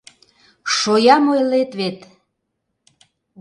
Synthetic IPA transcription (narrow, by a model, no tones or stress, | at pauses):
ʃojɑmojlet̪βet̪